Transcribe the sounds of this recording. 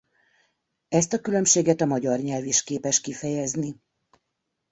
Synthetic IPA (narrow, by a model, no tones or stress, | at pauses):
ɛst̪ɒkylø̞mʃeːɡɛt̪ɒmɒɟɒrɲɛlviʃkeːpɛʃkifɛjɛzni